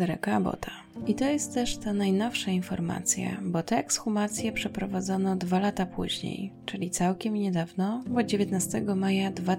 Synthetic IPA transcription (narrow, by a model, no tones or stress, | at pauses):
ɛɾɛ̰kabɔ̰t̪ʰa | it̪ɔjɛst̪ːɛʂt̪anajnɔfʂainfɔɾma̰t̪sʲja̰bɔt̪ɛɛksxumat̪sʲjɛpʂɛpɾɔvad̪zɔnɔd̪valat̪apʰṵʑɲḛjt͡ʂɘlʲit̪sawkʲɛmɲɛd̪avnɔvɔd̪d͡ʑevʲjet̪nast̪ɛɡɔmajad̪va